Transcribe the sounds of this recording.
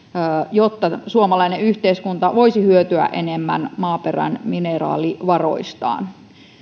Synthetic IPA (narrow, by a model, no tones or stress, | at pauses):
jot̪ːɑsuomɑlɑineyht̪eiskunt̪ɑʋo̞isihyøt̪yæ̰ʔenemːæ̰nmɑːperæ̰nminerɑ̰ːliʋɑro̞̰ist̪ɑ̰ːn